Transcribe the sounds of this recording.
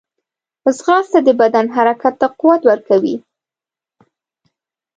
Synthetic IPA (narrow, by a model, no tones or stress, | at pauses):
zɣɑst̪ad̪əbad̪anɦaɾakat̪ːaquwat̪wəɾkawḭ